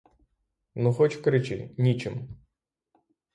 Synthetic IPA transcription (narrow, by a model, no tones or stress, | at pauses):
nuxɔt͡ʃkɾɪt͡ʃɪ̰nʲit͡ʃɪm